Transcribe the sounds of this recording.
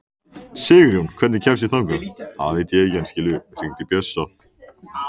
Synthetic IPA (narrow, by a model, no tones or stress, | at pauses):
sɪːɣɾjunkʰv̥ɛt̪nɪcʰɛms̬iθawŋkʏma̰ðaveːjt̪ɪɛcɛnscɪːlʏriŋt̪ɪpjœsːa